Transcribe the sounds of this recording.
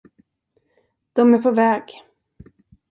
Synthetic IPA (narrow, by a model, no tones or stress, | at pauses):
d̪̥ɔmæɾpʰɔvɛːɡ̥